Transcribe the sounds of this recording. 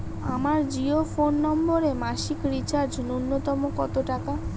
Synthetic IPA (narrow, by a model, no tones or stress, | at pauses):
a̰maɾd͡ʑiofonːɔmboɾemaʃikɾit͡ɕaɾd͡ʑnunːot̪ɔmokɔt̪oʈaka